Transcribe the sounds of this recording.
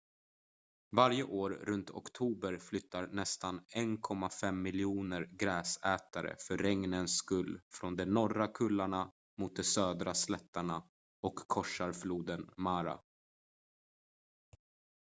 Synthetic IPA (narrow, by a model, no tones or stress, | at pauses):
vaɾjəʔoːɾːɵnt̪ʰɔ̰kt̪ʰuːbəɾflʏt̪ʰːaɾnɛst̪anɛnkʰɔmːafɛmːɪljuːnəɾɡɾɛːsɛːt̪aɾə̰fœːɛŋnənskɵlːfɾɔnd̪ɛnɔɾakʰɵlːaɳa | mʊt̪̚d̪ɛsøːd̪ɾaslɛt̪ːaɳa | ɔkʰːɔʂaɾfluːd̪ənmaːɾa̰